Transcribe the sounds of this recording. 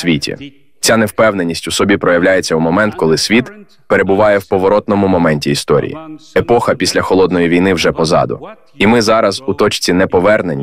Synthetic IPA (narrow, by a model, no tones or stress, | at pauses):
sʋʲitʲḭ | t͡sʲanewpɛwne̞nʲisʲtʲʊsɔbʲipɾɔjɐwlʲajet͡sʲːɐumɔmɛnt̪kɔlˠɪsʲʋʲit̪ | pe̞ɾe̞bʊʋɑjɛwpɔʋɔɾɔt̪nɔmʊmɔmɛnʲtʲiːst̪ɔɾʲḭjḭepɔxɐpʲisʲlʲɐxɔlˠɔd̪nɔjiʋʲijnɪwʒɛpɔzɑ̰d̪ʊ̰ | imɪzɑɾɐzut̪ɔt͡ʃt͡sʲinɛpɔʋɛrnenʲ